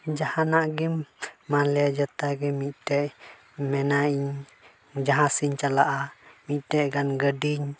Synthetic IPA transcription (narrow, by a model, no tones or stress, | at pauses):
d͡ʒahanaʔɡimːalɛad͡ʒat̪aɡɛmiʔtɛʔ | mɛnaiɲ | d͡ʒaɦasiɲt͡ʃalaʔamitɛʔɡanɡədiɲ